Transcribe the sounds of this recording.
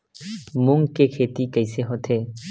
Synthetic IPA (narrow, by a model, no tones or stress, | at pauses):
mʊŋɡkekʰeːt̪ikəɪseɦot̪ʰe